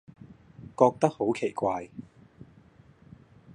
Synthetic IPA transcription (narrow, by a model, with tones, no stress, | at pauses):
kɔː˧k̚t̪ɐ˥k̚ho˨˥wkʰe˨˩jkʷaː˧j